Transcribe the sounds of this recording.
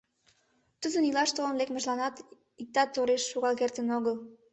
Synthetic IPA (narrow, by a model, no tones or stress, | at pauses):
t̪uzənilɑʃt̪olənlekməʒlɑnɑt̪ | ik̚t̪ɑt̪ːoɾeʃːuɣɑlkert̪ənoɣəl